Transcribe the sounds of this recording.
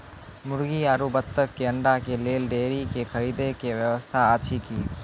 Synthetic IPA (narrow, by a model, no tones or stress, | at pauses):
mʊɽɡiaːɾubət̪ːəkːeə̃ɳɖakeleːlɖeːɾikekʰəɾiːd̪ekeʋjəʋəst̪ʰaaːt̪ʃʰikiː